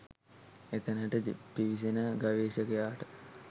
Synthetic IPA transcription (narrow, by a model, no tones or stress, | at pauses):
et̪ənəʈəpiʋis̬enəɡaʋeːʃəkəjaːʈə